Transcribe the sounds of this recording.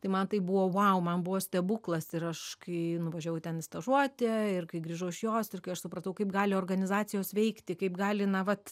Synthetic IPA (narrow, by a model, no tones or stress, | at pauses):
t̪ɐɪmɐnt̪ɐɪpbuʋoːʋɐʊmɐnbʊʋoːsʲt̪ʲɛbuːklˠɐsɪɾɐʃkɐɪnʊʋɐʒʲoːjɛʊtʲɛnɪst̪ɐʒuɔt̪ʲɛɪrkɐɪɡrʲiːʒɐʊɪʃjoːsɪrkɐɪɐʃsʊpɾɐt̪ɐʊkɐɪpɡɑːlʲɪoːrɡɐnʲɪzɑːt͡sʲɪjoːsʋʲɛɪkt̪ʲɪkɐɪpɡɑːlʲɪnɐʋɐt̪